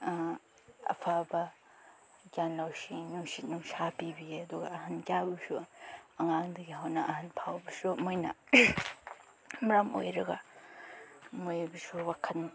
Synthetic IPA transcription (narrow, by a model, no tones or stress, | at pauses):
ɐ̰pʰabɐ | ɡjanlawsinuŋsit̚nuŋsapibieɐduɡɐɐhɐnkjabɐsuɐŋaŋdɐɡiɦawnɐʔɐhɐnpʰawbɐsumojnɐ̰ | mɾamo̰jɾɐɡɐ | mojbɐsuwakʰɐtn